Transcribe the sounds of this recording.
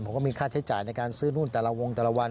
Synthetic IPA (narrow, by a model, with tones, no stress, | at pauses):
pʰo˨˩˦kɔː˥˩miː˧kʰaː˥˩t͡ɕʰa˦t͡ɕaː˨˩jna˧jkaː˧nsɯː˥˩nu˥˩nt̪ɛː˨˩la˧wo˧ŋt̪ɛː˨˩la˧wa˧n